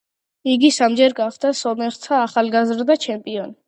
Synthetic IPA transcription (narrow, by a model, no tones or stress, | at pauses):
iɡisamd͡ʒɛɾɡaχd̪asɔmɛχt̪ʰaːχalɡazɾd̪at͡ʃʰɛmpʼiɔn